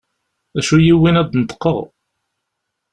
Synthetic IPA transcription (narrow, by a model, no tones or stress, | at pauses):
æʃujiwːinæd̪nət̪ːə̥qːəʁ